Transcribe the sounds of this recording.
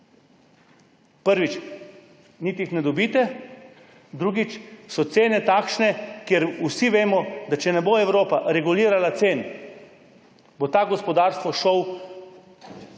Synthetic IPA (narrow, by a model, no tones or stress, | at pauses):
pəɾʋit͡ʃ | niːt̪ixnɛd̪ɔbiːt̪ɛ | d̪ɾuːɡit͡ʃsɔt̪seːnɛt̪aːkʃnɛkjɛɾusiʋeːmɔd̪at͡ʃɛnɛboɛwɾoːpaɾɛɡuliːɾalat̪seːn | bot̪aːɡɔspɔd̪aːɾst̪ʋɔʃɔw